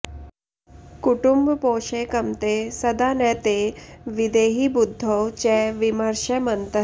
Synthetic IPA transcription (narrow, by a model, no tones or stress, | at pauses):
kʊʈʊmbpoːʃeːkɐmt̪eːsɐd̪aːnɛːt̪eʋɪd̪eːɦibʊd̪ʱːot͡ʃɛːʋɪməɾʃəmənt̪ə